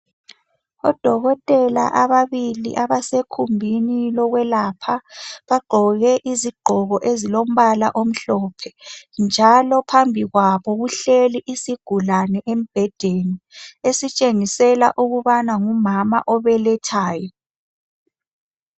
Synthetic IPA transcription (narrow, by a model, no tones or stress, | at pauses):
ɔ̰d̥ʱɔɣɔtʼɛla̰ʔaβaβilḭʔaβasekʰumbʱinilɔɣwɛlapʰaβaɡ͡ǃʱɔɣɛʔiziɡ͡ǃʱɔɣɔʔezilom̩βalaʔom̩ɬɔpʰɛnd͡ʒʱalɔpʰambʱiɣwaβɔɣuɬeliʔisiɡ̥ʱulanɛʔem̩b̥ʱɛd̥ʱeniesit͡ʃʼeŋisɛla̰ʔuɣuβanaŋumama̰ʔɔβɛlɛtʰaːjɔ